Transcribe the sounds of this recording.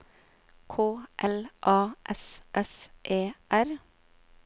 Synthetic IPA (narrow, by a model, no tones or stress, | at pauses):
kʰoːʔɛlʔɑːʔɛsʔɛsʔeːʔæɾ